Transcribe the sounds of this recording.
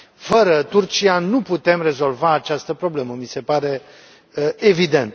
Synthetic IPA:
fəɾət̪urt͡ʃianuput̪e̞mre̞zo̞lvaːt͡ʃast̪əpɾo̞ble̞məmise̞paɾe̞ | evid̪e̞nt̪

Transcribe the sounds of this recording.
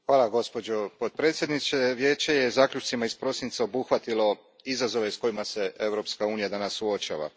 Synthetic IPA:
xʋaːlˠaɡo̞spo̞d͡ʑo̞pot̪̚pɾet̪sʲje̞d̪nit͡ʃ̪eʋje̞ːt͡ʃejezaːklʎut͡ʃt̪simaispɾo̞sint̪sao̞buxʋat̪ilo̞ | izazo̞ʋe̞sko̞jimase̞e̞ʋɾo̞pskauːnijad̪anasːuo̞t͡ʃa̰ːʋa̰

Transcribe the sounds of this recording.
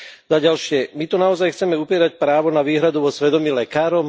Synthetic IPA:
zaɟalʃɪɛmit̪ɔnaɔzajxt͡sɛmɛupiɛːɾacpɾaːʋɔnaʋiːɦɾad̪uʋɔsʋɛd̪ɔmiːlɛkaːɾɔm

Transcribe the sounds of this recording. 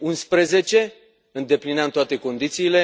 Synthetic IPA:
unspɾe̞ze̞t͡ʃe̞ | ɨnd̪e̞plineamt̪oat̪e̞ko̞nd̪it̪siːle̞

